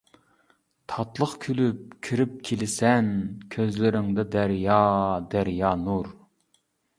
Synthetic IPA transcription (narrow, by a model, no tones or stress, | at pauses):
t̪ʰɑt̪lˠəχkʲʰylyp̚kʲʰiɾɪp̚kʲʰelɪsɛnkʲʰøzlɪɾɪŋd̪ɛd̪æɾjɑd̪æɾjɑːnuɾ